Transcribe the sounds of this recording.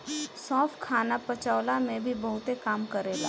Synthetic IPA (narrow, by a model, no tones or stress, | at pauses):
sɔ̃ːfkʰaːnapɐt͡ʃaːlamẽbʱibɐɦʊt̪ekaːmkɐɾeːla̰ː